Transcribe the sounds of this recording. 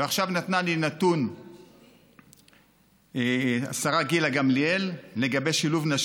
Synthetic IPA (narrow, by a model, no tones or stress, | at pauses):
eaχʃavnat̪nalinat̪un | a̰saʁaɡilaɡamlielle̞ɡabe̞ʃiluvnaʃ